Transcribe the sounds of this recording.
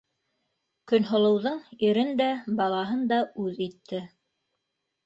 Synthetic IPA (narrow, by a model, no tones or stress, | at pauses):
kɵ̆nɦŏlˠɤ̆wðɤɴiɾɘnd̪æbɑlˠɑɦɤnd̪ɑʉðit̪ʰːɘ